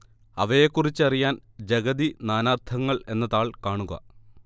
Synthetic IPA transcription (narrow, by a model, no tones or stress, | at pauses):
ɐʋɐjekːurit͡ɕːɐrijaːnd͡ʑɐɡɐðinaːnaːrt̪ʰɐŋːɐɭe̞nːɐðaːɭkaːɳuɣɐ̰